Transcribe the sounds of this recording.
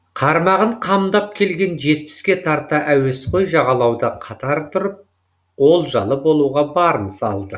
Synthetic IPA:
qʰɑɾmɑʁəɴqʰɑmd̪ɑp̚kʲʰe̞lɡʲe̞nʒe̞t̪̚pɪ̥skʲe̞t̪ʰɑɾt̪ɑʔæwe̞sqʰo̞jʒɑʁɑlˠɑwd̪ɑqʰɑt̪ɑɾt̪ʰʊɾəp̚ | wo̞lˠʒɑ̰lˠəbo̞lˠuʁɑbɑɾənsɑ̰lˠd̪ə

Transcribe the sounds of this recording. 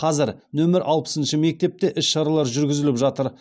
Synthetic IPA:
qʰɑzɪɾnɵmɪɾʔɑlˠpə̥sənʃɪme̞k̚t̪e̞p̚t̪e̞ʔɪsʃɑɾɑlˠɑɾʒʏɾɡʲɪzɪlɪpʒɑt̪əɾ

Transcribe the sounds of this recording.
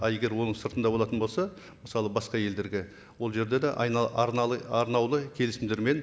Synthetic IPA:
jeɡʲe̞ɾwo̞nəɴsəɾt̪ənd̪ɑboɑt̪ənbo̞lˠsɑ | məsɑlˠəbɑsqɑje̞ld̪e̞ɾɡʲe | wo̞lˠʒe̞ɾd̪e̞d̪eʔɾɑɾnɑwlˠəkʲʰe̞lɪsɪmd̪eɾme̞n

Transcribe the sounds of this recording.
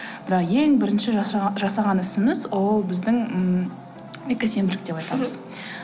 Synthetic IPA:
b̥ɪɾɑqje̞ŋbɪɾɪnʃɪʒɑsɑʁɑnɪsɪmɪzwo̞lˠbɪzd̪ɪŋə | ekʲɪse̞mb̪ɪlɪkd̪e̞pɑjt̪ɑməz̥

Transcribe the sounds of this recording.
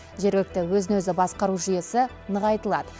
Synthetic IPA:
ʒe̞ɾɡɪk̚t̪ɪwɵzɪnwɵzɪbɑsqɑɾuʒije̞sɪ | nəʁɑjt̪əlˠɑd̪ə

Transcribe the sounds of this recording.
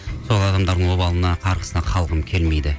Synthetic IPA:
so̞lˠɑd̪ɑmd̪ɑɾd̪əɴwo̞bɑlˠənɑqʰɑɾʁə̥sənɑqʰɑlˠʁəmkʲʰe̞lme̞jd̪ɪ

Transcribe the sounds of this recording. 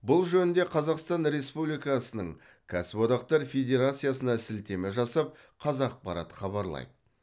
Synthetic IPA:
bʊlˠʒɵnɪnd̪e̞qʰɑzɑqst̪ɑnɾe̞spublijkɑsənəɴ | kʲʰæsɪpo̞d̪ɑq̚t̪ɑɾfʲe̞d̪ʲe̞ɾat̪sɨjas̬ənɑsɪlt̪e̞mɪʒɑsɑp̚ | qʰɑzɑq̚pʰɑɾɑ̰t̪ə̥χɑβɑɾlˠɑ̰jd̪əə

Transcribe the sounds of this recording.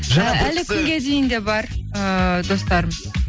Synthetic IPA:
ʒɑælɪkʲʰʏŋɡʲe̞d̪e̞jɪnd̪e̞bɑɾəd̪o̞st̪ɑɾəmz

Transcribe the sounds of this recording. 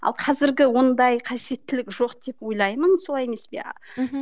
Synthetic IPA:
ɑ̰lˠqʰɑzɪɾɡʲɪwo̞nd̪ɑjqʰɑʒe̞t̪ːɪlɪkʒo̞qd̪̥e̞pwo̞jlˠɑjmənsolɑjeme̞spḛ

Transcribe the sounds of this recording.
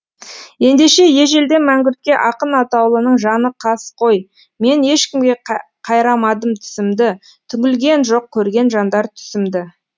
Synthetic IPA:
je̞nd̪e̞ʃe̞je̞ʒe̞ld̪e̞mæŋɡʲʏɾt̪̚kʲe̞ʔɑqənɑt̪ɑwlˠənəɴʒɑnəqʰɑsqʰo̞j | me̞ne̞ʃkʲɪmɡʲe̞ | qʰɑjɾɑmɑd̪əmt̪ʰʏ̥sɪmd̪ɪ | t̪ʰʏŋʲɪlɡʲe̞nʒo̞q̚kʲʰːɵɾɡʲe̞nʒɑnd̪ɑɾt̪ʰʏ̥sɪmd̪ɪ

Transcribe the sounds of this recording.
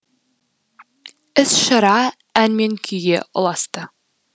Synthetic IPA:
ɘsʃɑ̆ɾɑ | ænmenkʰyjeʔŏ̰lˠɑst̪ɤ

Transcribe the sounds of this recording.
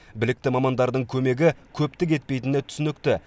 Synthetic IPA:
bɪlɪkt̪ɪmɑmɑnd̪ɑɾd̪əɴkʲʰɵmeɡʲɪkʲʰɵpt̪ɪk̬e̞t̪̚pe̞jt̪ɪnɪt̪ʰʏ̥sʏnɪk̚t̪ɪ

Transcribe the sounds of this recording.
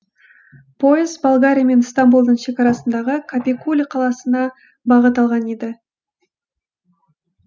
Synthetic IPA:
pʰo̞jɪzbolˠɡaɾʲijame̞nst̪ambulˠd̪əɴʃe̞kɑɾɑsənd̪ɑʁəkʰapʲikulʲqʰɑlˠɑsənɑ | bɑʁət̪̬ɑlˠʁɑned̪ɪ

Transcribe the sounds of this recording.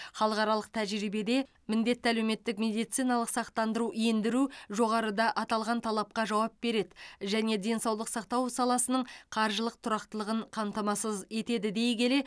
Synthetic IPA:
χɑlˠəqɑɾɑlˠəq̚t̪ʰæʒɾibe̞d̪e̞ | mɪnd̪e̞t̪ːɪælewme̞t̪ːɪkmʲe̞d̪ijt̪sijnɑlˠəqsɑqt̪ɑnd̪əɾujend̪ɪɾuʒo̞ʁɑɾəd̪ɑʔɑt̪ɑlˠʁɑnt̪ʰɑlˠɑp̚qɑʒɑwɑp̚b̥e̞ɾe̞d̪ɪʒæne̞d̪e̞nsɑwlˠəqsɑq̚t̪ɑwsɑlˠɑsənəɴqʰɑɾʒəlˠəq̚t̪ʰʊɾɑqt̪əlˠəʁəɴqʰɑmt̪ɑmɑsəze̞t̪e̞d̪ɪd̪e̞jɡʲe̞le

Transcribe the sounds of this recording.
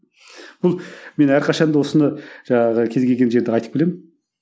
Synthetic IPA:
b̥ʊlˠme̞næɾqʰɑʃɑnd̪əwo̞sənəʒ̥ɑɴɑʁəkʲʰe̞zɡʲe̞lʲɡʲe̞nʒe̞ɾd̪ɪɑjt̪ə̥p̚bɪlemɪn

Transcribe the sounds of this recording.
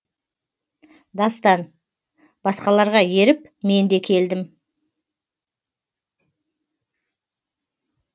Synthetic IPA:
d̪ɑst̪ɑn | b̥ɑsqɑlˠɑɾʁɑje̞ɾɪp | me̞nd̪e̞kʲʰe̞ld̪ɪm

